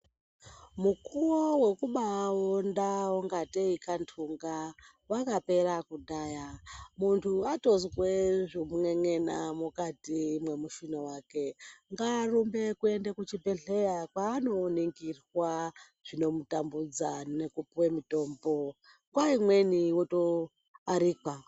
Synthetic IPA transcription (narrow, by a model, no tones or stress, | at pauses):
mukuwowe̞kuɓawondawoŋɡateikantʰuŋɡa | wakape̞rakuɗaːjamuntʰuato̞zweʐomuŋe̞ŋe̞namukatiːmwe̞muʃinowaːke̞ŋɡarumbe̞kue̞ndekut͡ʃibʱe̞ɮe̞jakwaːno̞niŋɡirwa | ʐ̥ino̞mutambud͡zanekupiwe̞mito̞ːmbo̞ | kwaimwe̞niwoto | aɾika